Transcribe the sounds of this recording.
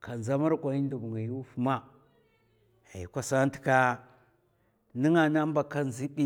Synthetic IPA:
ka˨nza˦ma˦ɾkʷa˨i˦n˦du˨bŋa˨ju˦fu˦ma˦ | a˨ji˨kʷa˦sa˦n˦ti̥˨˦ka˦ | ni˦ŋa˨na˦mba˨ka˦nzi˦ɓi˦

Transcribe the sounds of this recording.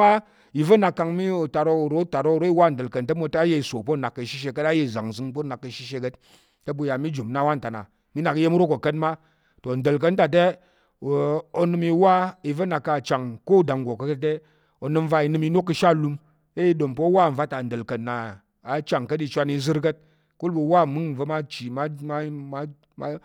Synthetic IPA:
a˦ | i˨və˦na˨kːa˧ŋmi˦o˨ta˨ɾo˧˨ɾo˨˦ta˨ɾo˦˨ɾo˦i˦wa˦˨n̩˨də˨lkə˨ntə˦mo˧tːje˦i˨so˨po˦˨na˨kːə˨ʃi˦ʃ̬e˧kə˦ta˦je˦˨za˨ŋ˨zɨ˦ŋpo˦na˨kːə˨ʃi˦ʃe˧kə˦t | tə˦bu˧˨ja˨mi˦d͡ʒu˨mna˦wa˦n̩˨ta˨na̰˨ | mi˦na˨ki˦je˦mu˦ɾo˦ko˨kə˦nma˦ | to˨n̩˨də˨lk̬ə˧n̩˦ta˨t̬e˦˨ | o˨˦nɨ˦mi˧˦wa˦i˧və˦na˨kːa˨t͡ʃa˨ŋko˦da˨ŋ˨ɡʷo˨kə˦kə˦te˦ | o˨nɨ˧m̩˦va˧i˧nɨ˦mi˧˦no˦kːɨ˧ʃa˦˨lu˧m | e˦i˦ɗo˨mpo˦wa˦˨ɱ̩˨va˦ta˨n̩˨də˨lkə˨tna˨ | a˨t͡ʃa˨ŋkə˦ti˧t͡ʃʷa˧ni˧˦zɨ˦ɾkə˦t̚ | ku˦lbɨ˧˦wa˦˨mɨ˦ŋ˨və˦ma˦t͡ʃi˨ma˦ma˦ma˦ | ma˦

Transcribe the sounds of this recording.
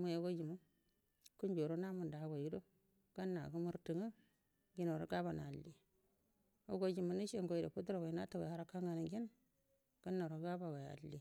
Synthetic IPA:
mu˨je˦ɡo˦d͡ʒi˨mu˦ | ku˦nd͡ʒo˨ɾo˦na˦mu˨nda˨˦˨ɡo˨ji˦do˦ | ɡ̥a˦nːa˨ɡu˦mu˦ɾti˨ŋə˦ | ɡi˦no˨ɾo̰˨˦ɡa˦ba˨na˨lːi˨ | o˦ɡo˦d͡ʒi˨mu˨ni˦ʃe˦ŋɡo˦i˨do̰˨pu˦dɾo˨wo˨i˨˦na˦ta˦˨wa̰˨ha˦ɾa˦ka˦ŋɡa˨ni˨ɡi˦n | ɡ̥a˦nːo˨ɾo˨˦ɡa˦ba˨ɡa˨ja̰˨lːi˦

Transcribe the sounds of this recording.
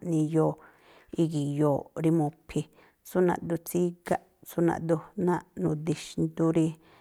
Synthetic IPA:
ʔnĩ˧jo˨ | i˧ɡi˨joː˨ɾi˧mõ˧pʰi˧ | su˦nã̰˧ʔd̪u˧t͡si˦ɡa˦ʔ | su˦nã̰˧ʔd̪u˧nã˦ʔnũ˨d̪i˧ʃnd̪u˧ɾi˧

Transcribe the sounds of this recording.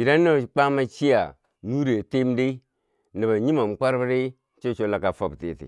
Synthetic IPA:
i˨ɾa˦nːa˦˨k͡pa˦ma˦t͡ʃi˦a̰˨ | nu˦ɾe˨te˦m˦de˦ | na˨ba˨ɲi˦ma˨m˨k͡pa˦ɾba˦ɾe˦ | t͡ʃo˦t͡ʃo˦la˨ka˨fa˨btḭ˦˨tḭ˨

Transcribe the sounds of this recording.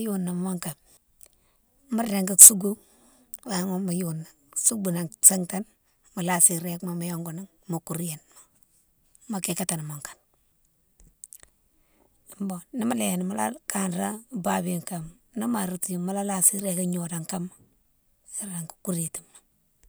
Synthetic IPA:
ju˦nːa˨m˦ma˦ŋka˨m | mu˦ɾɾe˨ŋka˦su˦ɡu˦ | wa˨˦ŋo˦ma˨ju˦nːa˨su˦ɡu˨na˨ŋse˦ŋta˦n | ma˨la˦si˨ɾe˦kma˦ma˨jo˦ŋɡo˨ni˦ŋ | ma˨ku˨ɾi˦je˨nma˨ | ma˨ke˦ka˦ta˨n˨mo˨ŋkḁ˨n˨ | mbo˨ni˦ma˦le˨je˨n˨ma˦la̰˦ka˦nɾa˦ba˨bi˨ŋka˨m | na˦ma˨ɾu˨ti˨ju˨ma˦la˦la˦si˦ɾe˦ka˦ɲo˨da˨ŋka˦ma˦ | si˦ɾa˨ŋku̥˨ku˦ɾe˨ti˨mːa˨

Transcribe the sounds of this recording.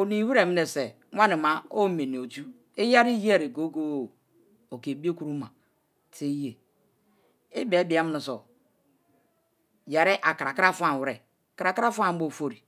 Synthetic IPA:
o˨ni˨wi˦ɾe˨mi˦ne˨se˨ | ŋʷa˦ni˨ma˨o˦me˨ni˨o˨tu˦ | i˦ja˦ɾi˦ji˦e˦˨ɾi˨ɡo˦ɡo˦˨ | o˨ke˨bi˦o˦ku˦ɾu˦ma˨ | ti˦je˨ | i˦be˨˦bi˨a˦m˦ni˨so˨ | ja˨ɾe˦ʔa˨ka˨ɾa˨kɾa˦˨fa˦˨wɾe˨ | ka˨ɾa˨ka˦ɾa˦fa˦˨m̩˦bo˦˨fo˦ɾi˨

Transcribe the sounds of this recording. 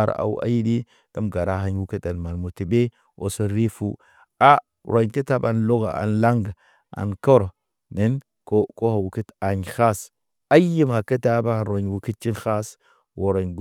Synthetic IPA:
ɾ̰a̰˨w̰a̰˦ji˦di˦ | ta˦mɡa˨ɾa˦ha˨˦ɲ˦wu˦ki˦ta˨nma˨lmu˨ti˨be˦ | wo̰˨so˦ɾi˦fu˦ | a˦ | ɾʔo˨ɲke˦ta˦ba˨nlo˦ɡa̰˨a̰˨nla˦ŋɡa˨ | a̰˨nko˦ɾo˨ | ne˦n | ko˦ko˦ha˨wu˨ki˦ta˨ɲ˨xa˦s | a˦ji˦ma˨ke˦ta˦ba˦˨nɾo˨ɲ˨wu˨ki˦t̚t͡ʃi˦xa˦s | wo˨ɾo˨ɲɡ

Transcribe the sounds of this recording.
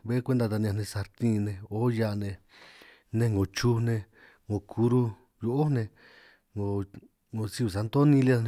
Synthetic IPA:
βe˦kʷe˦nd̪a˧t̪a˧ñ˧ã˧nẽ˧sa˧ɾt̪ĩ˦˧nẽ˧o˦ja˧nẽ˧ | nẽ˧ŋɡo˨t͡ʃu˦nẽ˧ | ŋɡõ˨kʰu˧˦ɾu˦ | jo˧ʔo˦nẽ˧ | ŋɡo˨ | ŋo˨si˧u˨a˧nd̪o˦nĩ˧li˦a˦˧nẽ˧

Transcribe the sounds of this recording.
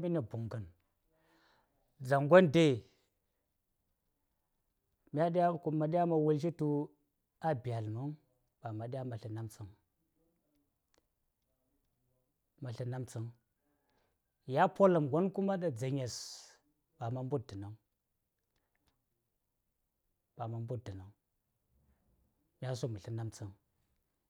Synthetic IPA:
mi˦ni˨bu˨ŋɡə˨n | d͡za˨ŋɡʷo˦nde˦˨ | mi˦a˦ɗja˦ku˨ma˨ɗi˦ja˦ma˨wu˦lʃ̬i˦tu˦ | a˦bi˨a˨lmə˦ŋ | ba˨ma˨ɗʲa˦ma˨ɬə˨na˦mt͡sə˨ŋ | ma˨ɬi˦na˦mt͡sə˦ŋ | ja˦po˦la˨mɡʷo˦nku˦ma˦ɗa˨d͡za˨ɲe˨s | ba˨ma˨m˦bu˦t̚di˨na˨ŋ | b̥a˨ma˨mbu˦t̚di˨na˨ŋ | mʲ˦a˦s̬o˦mu˨ɬi˦na˦mt͡si˦ŋ

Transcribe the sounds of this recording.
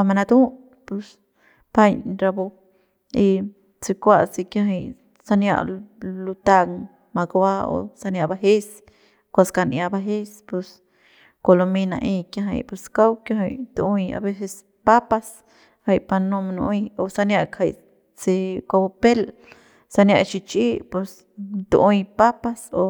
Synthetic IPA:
a˧ma˧na˧d̪u˦ | pu˧s | pa˦jɲɾa˧bo˧ | i˧ | t͡si˧kʷa˦˧si˧kja˧ɦi˧j | sa˧nja̰˧ʔlu˧t̪a˧ŋ | ma˧ɡa˧wa˦o̰˧sa˧nja˧ba˧ɦe˦s | kʷa˧ska˧nʔja˧ba˧ɦe˦spu˧s | ko˧lo˧mĩ˧nã̰˧ʔĩ˧kjã˧ɦə̰̃˧jpe˧ska˦wkja˦ɦə˧jt̪u˧ʔũ˧a̰˧be˦se˧s | pa˦pa˧s | ha˧jpa˧nõ˧m˧nũ˧ʔjo˨sa˧nja˧ʔkʰha˧˨j | t͡se˧kʷa˧bo˧pe˦l | sa˧nja˧ʔt͡ʃi˧t͡ʃʔi˦pe˧s | t̪ṵ˧ʔũ˧jpa˦pa˧so˧

